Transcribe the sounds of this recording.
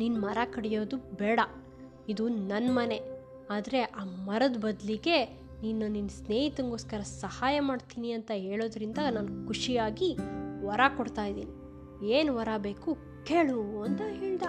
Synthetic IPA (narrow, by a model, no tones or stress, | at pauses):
ninːmɐɾakɐɽɛjo̞ːd̪ubɛːɽɐ | id̪unɐnːmɐne̞ | aːd̪ɐɾe̞ʔaːmɐɾɐd̪bɐd̪liɡe̞ | niːnːɐninsneːɦit̪ɐŋɡo̞ːskɐɾɐsɐhaːjɐmaːɖt̪iːniɐnt̪ɐɦe̞ːɭoːd̪ɾind̪anaːnkʰuʂiaːɡiʋɐɾakɔɽt̪aːjd̪ḭːni | eːnuʋɐɾaːbe̞ːku | ke̞ːɭuɐnt̪ɐɦeːɭd̪ɐ